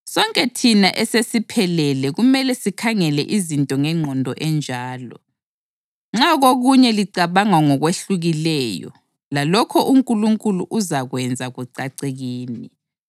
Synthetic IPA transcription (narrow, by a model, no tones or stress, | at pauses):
sɔŋkʼɛtʰinaʔɛsesipʰɛlɛlɛɣumɛlɛsikʰaŋɛlɛʔizintʼɔŋɛŋ͡ǀʱɔndʱɔʔɛnd͡ʒʱaːlɔ̰ | ŋ͡ǁaɣoɣuɲɛliǀaβaŋaŋɔɣweɬuɣilɛjɔ̰ | lalɔkʰɔʔuŋkʼuluŋkʼuluʔuzaɣwɛnd͡zʱaɣuǀaǀeɣiːni